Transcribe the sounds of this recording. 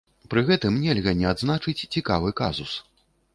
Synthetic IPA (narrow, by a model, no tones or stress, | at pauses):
pɾɨɣɛt̪ɨmnʲɛlʲɣɐnʲɛad̪znat͡ʂɨt͡sʲt͡sʲikavɨka̰zus